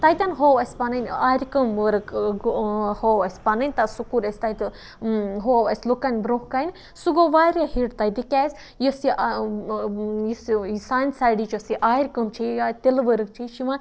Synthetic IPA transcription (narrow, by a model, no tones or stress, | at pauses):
t̪ajt̪ʲanɦoːʋɐsʲpanɐnʲaːɾʲkəmʋəɾɨk | howɐsʲpanɐnʲt̪asukuɾɐsʲt̪ajt̪ | ɦoːɐsʲlokanʲbɾoːhkainʲ | suɡoːʋaːɾʲjahiɖt̪ɐjd̪ikʲaːzʲ | jɐsiʔ | jssaːnsaːjɖit͡ʃosiʔaːɾʲkəmt͡ʃʰijat̪ilʋəɾɨk̚t͡ʃʰiʃima